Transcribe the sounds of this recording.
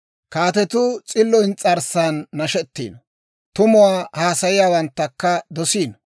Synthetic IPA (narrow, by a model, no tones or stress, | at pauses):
kaːt̪ɛt̪ʊt͡sʼɪlːɔjnt͡sʼɐɾsaːnːɐʃɛt̪ːḭːn | t̪ʊmʊwaːhaːsɐjɪjaːwɐnt̪ːɐkːɐd̪ɔsiːn